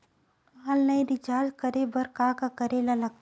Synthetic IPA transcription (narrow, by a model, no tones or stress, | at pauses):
aːlnɐiɾid͡ʒaːzkəɾebɐɾkaːkakɐɾelalɐɡ̪̚